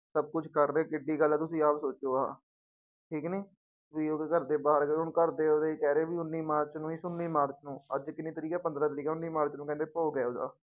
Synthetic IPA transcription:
səb̚kʊt͡ʃʰkəɾːeːkɪɖːiːɡəlːt̪ʊsĩːaːpsoːt͡ʃoːaː | ʈʰiːkniː | ʋiːokəɾd̪eːbaːɾɡeʊɳkəɾd̪eːoːd̪eːkɛːɾeːʋiːʊnːiːmaːɾt͡ʃnũːɪsʊnːiːmaːɾt͡ʃnũːəd͡ʒkɪnːiːt̪əɾiːkɛːpənd̪ɾãːt̪əɾiːkɛːʊnːiːmaːɾt͡ʃnũːkɛ̃nd̪eːpoːɡɛːoːd̪a̰ː

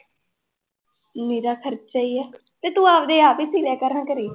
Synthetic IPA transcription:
meːɾaːkʰəɾt͡ʃt͡ʃaːiːɛː | t̪eːt̪ũːaːpd̪eːaːpiːsiːlɛːkəɾənkəɾiː

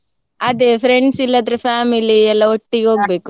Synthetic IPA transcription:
ɐd̪epʰɾeɳɖsilːɐd̪ɐɾepʰaːmiliɛlːɐoʈːiɡeɦoːɡ̚be̞ːku

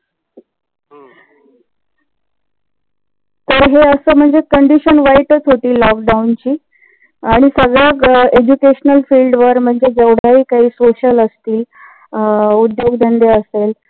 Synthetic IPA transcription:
t̪əɾɦeəsəːm̤əɳd͡zekəɳɖiɕənʋaiʈət͡sɦoʈiːlɔkɖaunt͡ɕiː | aɽ̃isəɡɭjaked͡ʑukeɕnəlfiːlɖʋəɾm̤əɳd͡zed͡zəʋɽ̤aɦiːkaɦiːsoɕələst̪iː | ud̪joɡd̪ʱand̪eəsel

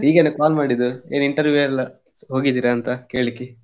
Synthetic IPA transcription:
iːɡenːɐkaːlmaːɽid̪ue̞ːniɳʈɐɾʋjuɛlːɐ | ɦo̞ːɡid̪iːɾɐːnt̪ɐke̞ːɭikːi

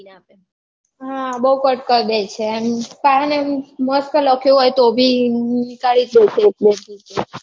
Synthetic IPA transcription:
nape | ɦãbəɦukəʈkəɾd̪et͡ʃʰempaneməskələkʰjũɦojt̪obʱinikaɭit̪d̪et͡ʃʰek̚bed̪id͡ʒe

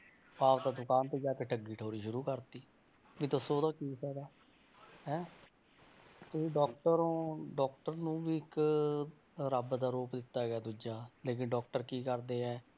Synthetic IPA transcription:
paːʋd̪aːd̪ʊkaːnt̪eːd͡ʒaːkeːʈʰəɡiːʈʰoːɾiːʃʊɾuːkəɾt̪iː | ʋiːt̪osoːd̪ãːkiːsɛːɡ̪aː | ɦɛ̃ː | t̪ʊsĩːɖɔːkʈəɾõːɖɔːk̚ʈəɾnũːʋiːɪk | ɾəbd̪aːɾoːpd̪ɪt̪ːaːɡeaːd̪ud͡ʒaːleːk̬ɪnɖɔːk̚ʈəɾkiːkəɾd̪eːɛː

